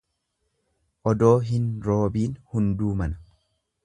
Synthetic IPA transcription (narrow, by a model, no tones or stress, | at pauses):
ʔɔd̪o̞ːɦɪnɾo̞ːbiːnhʊnd̪uːmɐnɐ̥